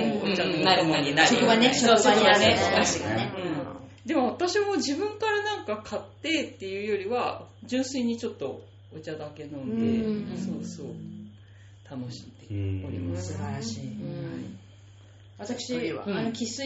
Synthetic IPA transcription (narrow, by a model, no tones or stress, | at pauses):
oanaɾɯmoɲinaɾsokaneooaneoneɯ̟̃ɴd̪e̞mo̞βat̪aɕiβamo̞d͡ʑibɯ̟̃ŋkaɾanãŋkakʰat̪ːe̞t̪ːe̞jɯ̟ːjo̞ɾʲiβad͡ʑɨ̃ɰ̃sɨiɲ̟it͡ɕo̞t̪ːo̞ | ot͡ɕad̪ake̞nõ̞nd̪e̞soːdso̰ː | t̪ʰano̞ɕi̥t̪eoɾʲḭmasɨbaɾaɕiːhai | at̪akɯ̥ɕia̰ankʲʰisɨ